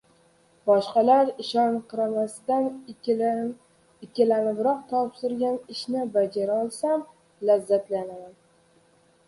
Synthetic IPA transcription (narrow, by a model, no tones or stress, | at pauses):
bɒʃqɑlaɾɪʃɒnqʰɨɾamasɪd̪an | ɪkʲːɪlanɪbɾɒq̚t̪ʰɒpsɪɾɡʲanɪʃnɪbad͡ʒaɾaɒlˠsam | lazːat̪lanaman